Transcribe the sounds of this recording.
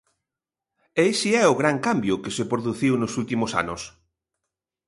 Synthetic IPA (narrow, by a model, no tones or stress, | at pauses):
eesiɛʊɣɾaŋkambjʊkesepɾoðuθiwnʊsult̪imʊsa̰nʊ̰s